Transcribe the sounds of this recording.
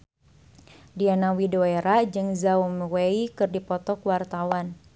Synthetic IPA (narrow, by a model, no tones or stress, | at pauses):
dianawidoeɾad͡ʒɨŋzaumweikɨrdipɔt̪ɔkwart̪awan